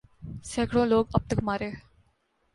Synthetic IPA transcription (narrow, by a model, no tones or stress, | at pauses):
sɛːkɽõːloːɡɐp̚t̪əkmaːɾeː